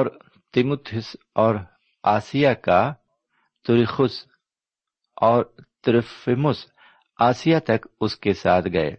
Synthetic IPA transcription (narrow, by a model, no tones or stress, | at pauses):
ɔːɾ | t̪ɪmʊt̪ʰʊs | ɔːɾ | aːsijaka | t̪ʊɾixʊs | ɔːɾt̪ɪɾfɪmʊs | aːsijat̪ɐkʊskesaːt̪ʰɡɐḛː